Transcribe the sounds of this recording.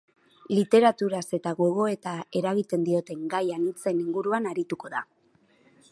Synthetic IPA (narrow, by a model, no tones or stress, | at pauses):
lit̪e̞ɾat̪uɾase̞t̪aɣo̞ɣ̞o̞e̞t̪ae̞ɾaɣit̪e̞nd̪io̞t̪e̞ŋɡajanit͡se̞niŋɡuɾuanaɾit̪uko̞ða